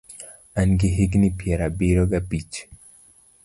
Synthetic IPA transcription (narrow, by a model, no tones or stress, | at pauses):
anɡiɦiɡnipjɛɾabiɾɔɡapit͡ʃ